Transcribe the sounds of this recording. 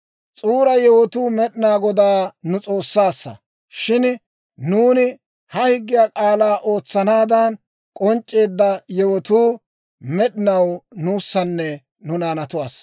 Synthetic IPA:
t͡sʼuːɾɐjɛwɔt̪uːmɛɗɪnaːɡɔd̪aːnʊt͡sʼo̞ːsːaːsːɐ̰ | ʃɪn | nuːnɪ | hɐhɪɡːɪjaːkʼaːlaːʔo̞ːt͡sːɐnaːd̪ɐn | kʼɔnt͡ʃʼːe̞ːd̪ːɐjɛwɔt̪uː | mɛɗɪnɐwnuːsːɐnːɛ | nʊnaːnɐt̪ʊwaːs

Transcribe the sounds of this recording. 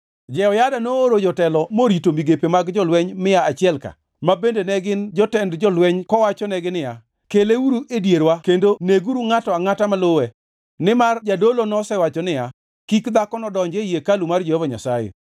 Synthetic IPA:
d͡ʒɛɔjadanoːɾod͡ʒɔtɛlɔmoɾitomiɡepemaɡd͡ʒɔlwɛɲmɪjaat͡ʃɪɛlka̰ | mabendenɛɡɪnd͡ʒɔtɛndd͡ʒɔlwɛɲkɔwat͡ʃɔnɛɡɪnɪja | keleuɾuʔedjeɾwakendoneɡuɾuŋatɔaŋatamalowɛ | nɪmard͡ʒadolonɔsɛwat͡ʃɔnɪja | kikd̪akɔnɔdɔɲd͡ʒejekalumard͡ʒehɔvaɲa̰sajḛ

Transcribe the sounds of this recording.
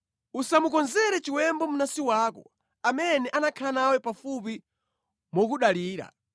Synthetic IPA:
usamukɔnzɛɾɛt͡ʃiwɛmbɔmunasiwaːkɔ̰ | amɛnɛʔanakʰanawɛpafup̬i | mɔk̬uɗaliːɾa̰

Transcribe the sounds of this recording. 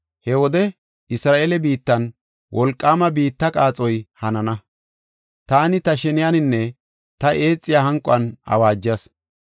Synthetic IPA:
hɛwɔd̪ɛ | ɪsɾaːʔeːlɛbiːt̪ːɐn | wʔɔlkʼːaːmɐbiːt̪ːɐkʼaːt͡sʼɔjhɐnɐnɐ | t̪aːnɪt̪ɐʃɛnɪjanɪnːɛ | t̪ɐʔe̞ːt͡sʼːɪjaːhɐŋkʼɔɐnɐ̰waːd͡ʒːɐs

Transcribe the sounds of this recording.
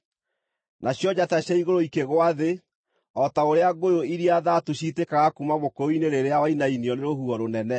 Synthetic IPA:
naɕjɔd͡ʑataɕaiɣoɾoikeɣwaðe | ɔtaoɾeaɡojoiɾiaðatuɕitekaɣakumamokooineɾeɾeawainainiɔneɾohuɔɾonɛnɛ

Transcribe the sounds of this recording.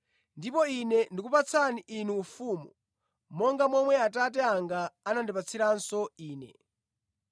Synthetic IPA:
ndipɔinɛndikupat͡sʰaniʔːnuːfuːmu | mɔŋɡamɔmwɛatatɛaŋɡaːnandipat͡sʰiɾansɔiːnɛ̰

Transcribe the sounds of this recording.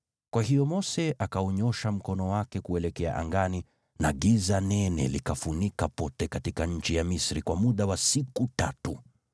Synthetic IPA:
kwahijɔmɔsɛʔakaɔɲɔʃam̩kɔnɔwakɛkuɛlɛkɛa̰ʔa̰ŋɡani | naɠizanɛnɛ̰likafunikapɔtɛkatikaɲ̩t͡ʃijamisɾikwamuɗawasikutatu

